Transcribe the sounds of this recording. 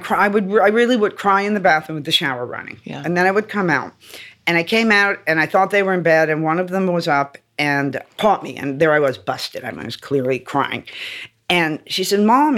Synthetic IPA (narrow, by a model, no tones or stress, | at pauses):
kʰaaɪwɨd̚aɪɹɪlˠiwəd̚kʰɹ̥aɪɨ̃nðɨbæθnwɨðɨʃaʊə̰˞ɹʌ̰nɪ̰̃ŋɨ̃nðɨ̃ñaɪwɨd̚kʰʌ̃maʊt̚ɨ̃ɾ̃aɪkʰẽɪ̃maʊɾɨ̃ñaɪθɔt̪̚ðeɪwə˞ɨ̃nbɛɾɨ̃nwʌ̃nʌvðə̃mwʌzʌp | ɨ̃npʰɔt̚miɨ̰̃nðə˞aɪwʌzbʌstɨɾã̰ɪ̃mḭ̃nwʌz̥kʰl̥ɪɹlˠikʰɹ̥a̰ɪɪ̰̃ŋ | ɨ̃nʃisɛd̚mɑ̃m